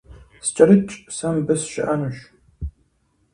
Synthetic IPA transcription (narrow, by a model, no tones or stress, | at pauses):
sɨ̥t͡ʃʼɐɾɨt͡ʃʼsɐmbɨsʃɪʔɐnɨɕ